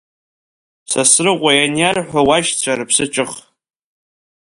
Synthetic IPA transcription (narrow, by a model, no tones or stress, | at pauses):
sasrɨqʷʼajanjarħʷawaʃt͡sʷʰarɨpʰsɨt͡ʃʼɨχ